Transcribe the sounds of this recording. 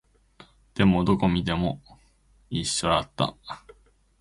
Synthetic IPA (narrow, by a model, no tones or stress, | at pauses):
d̪̥e̞mo̞d̪o̞ko̞mʲid̪e̞mo̞ | iɕːoat̪ːa̰